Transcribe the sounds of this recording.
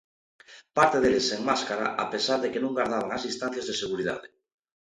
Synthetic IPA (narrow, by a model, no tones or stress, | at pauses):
paɾt̪eðeleseŋmaskaɾa̰ʔa̰pesaɾðekenũŋɡaɾð̞aβ̞aŋazinst̪ãn̟θjazðeseɣ̞uɾiða̰ðe